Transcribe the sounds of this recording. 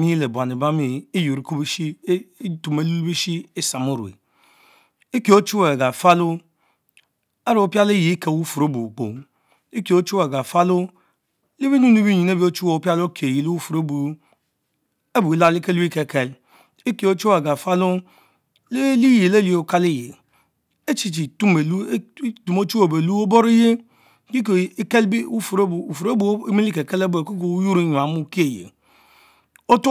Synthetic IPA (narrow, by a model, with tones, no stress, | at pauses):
mi˦le˨bʷa˨ni˨ba˦mi˦i˦ju˨ɾi˨˦ku˦bi˦i˦tu˨me˨lu˦bi˦ʃi˦e˦sa˨mo˦ɾu˨ḛ˨ | i˦ke˨o˦t͡ʃu˦we˨ɡa˨fa˦lu˦ | a˦ɾo˨o˨pi˦a˦li˦ji˨˦ke˨wu˦fu˨ɾo˦bu˨k͡po̰˨ | i˦ki˨o˦t͡ʃu˦e˨ɡa˨fa˦lu˦ | li˦bi˦nu˦ni˦bi˦ɲi˨ne˦bi˦o˦t͡ʃu˦wo˨pʲa˦lo˦kʰe˨ji˨lwu˦fu˨ɾo˦bu˨ | e˦bu˨i˨la˦li˦ke˦li˦ke˨ke˦l | e˦ke˨o˦t͡ʃo˦a˨ɡa˨fa˦lu˦ | le˦li˦je˨le˦li˨o˨ka˦le˦jḛ˨ | e˦t͡ʃi˦t͡ʃi˨tu˦me˨lu˦tu˨mo˦t͡ʃu˦o˨be˨lu˦o˦bo˦ɾe˦je˦ | ki˦kke˦li˦u˦fu˨ɾu˨fu˨ɾe˦bu˦mi˦li˦ke˨ke˦le˦be˨ko˦k̬o˨u˦ju˦ɾi˦ɲu˨a˨mu˦ki˦e˨jḛ˨ | o˦t